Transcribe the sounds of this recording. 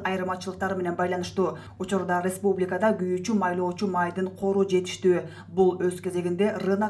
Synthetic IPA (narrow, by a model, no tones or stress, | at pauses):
ɑjɯɾmɑt͡ʃɯlˠəqt̪ɑɾɯme̞ne̞nbɑjlˠɑnɯʃt̪uː | ut͡ʃuɾd̪ɑɾʲespublʲɪkəd̪ɑɡyjyt͡ʃymɑjlˠo̞ːt͡ʃumɑjd̪ɯɴqʰo̞ɾuːd͡ʒe̞t̪i̥ʃt̪yː | bulˠø̞zke̞ze̞ɡʲind̪e̞rɯnɑ